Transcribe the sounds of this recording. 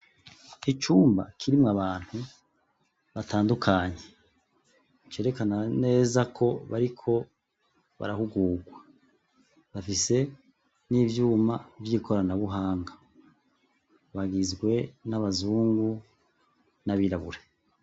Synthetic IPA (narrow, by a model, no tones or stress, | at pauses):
it͡ʃuːmba̰kʰiɾimŋaβaːn̥hu | βataːndukʰaːɲe | t͡ʃe̞ːɾe̞kanane̞ːzakʰo̞βa̰ɾikʰo̞ | βa̰ɾahuɡuːɡwa | βafise̞ | nivjuːmavjikʰo̞ɾanaβuɦaːŋɡa | βaɡizɡwe̞naβazuːŋɡu | naβiɾaβuɾe